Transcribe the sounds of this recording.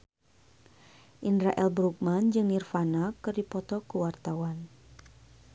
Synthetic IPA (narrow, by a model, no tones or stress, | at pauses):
ʔindɾaʔɛlbɾuk̚mand͡ʒɨŋnirfanakɨrdipɔt̪ɔkəwart̪awan